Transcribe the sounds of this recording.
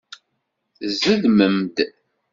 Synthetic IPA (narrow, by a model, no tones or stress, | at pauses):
zəðməmd̪